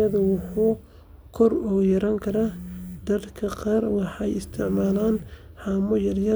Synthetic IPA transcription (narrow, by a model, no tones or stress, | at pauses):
ɐðʊwʊħuː | kʰɔrɔːjɐɾaːŋkʰɐɾad̪ɐɾkʰɐqɑːrwɑħɑɛjɪst̪ʰɪʕmaːlaːnħɑːmɔjɐrjɐ